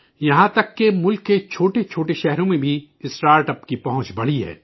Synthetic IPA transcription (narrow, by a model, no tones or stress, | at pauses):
jɐɦãt̪ɐkːemʊlkːet͡ʃʰoːʈet͡ʃʰoːʈeʃɛɦɾõmẽbʱiɪsʈaːɾʈəpkipɐɦʊ̃t͡ʃbɐɽ̤iɦɛ̰ː